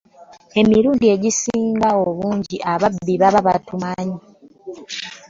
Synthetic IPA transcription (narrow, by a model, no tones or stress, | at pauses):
e̞miɾuːndie̞ɟisiːŋɡaoβuːɲɟiʔaβabːiβaβaβatumaɲi